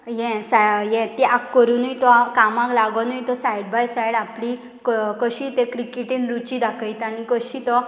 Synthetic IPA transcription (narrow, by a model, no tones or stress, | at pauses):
jɛ̃sajɛ̃t̪eʔakːəɾunəjt̪ɔkamãklaɡɔnujt̪ɔsajɽbajsajɽapli | kkəɕit̪ekɾikeʈĩnɾut͡ɕid̪akʰəjt̪anikəɕit̪ɔ